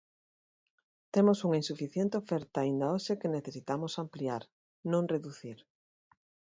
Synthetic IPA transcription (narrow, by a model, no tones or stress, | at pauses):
t̪emosuŋainsufiθjent̪eofɛɾt̪aːind̪aoʃekeneθesit̪amosampliaɾ | nõŋreðuθiɾ